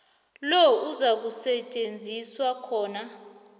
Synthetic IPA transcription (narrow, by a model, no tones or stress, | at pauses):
lɔuzak̬usɛt͡ʃʼend͡zʱiswakʰɔːna